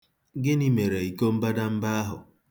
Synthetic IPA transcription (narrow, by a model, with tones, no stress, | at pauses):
ɡɪ˦ni˦me˨ɾe˨i˨ko˦m̩˦ba˦da˦m̩˦ba˦a˦ɦʊ̰˨